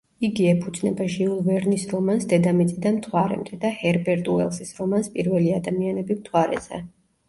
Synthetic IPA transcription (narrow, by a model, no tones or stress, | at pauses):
iɡiɛpʰud̪zʼnɛbaʒiulˠvɛɾnisɾɔmansd̪ɛd̪amit̪sʼid̪anmt̪ʰwaɾɛ̰md̪ɛd̪ahɛɾbɛɾt̪ʼuɛ̰lˠsisɾɔmanspʼiɾvɛliad̪amianɛbimt̪ʰwaɾɛ̰zɛ̰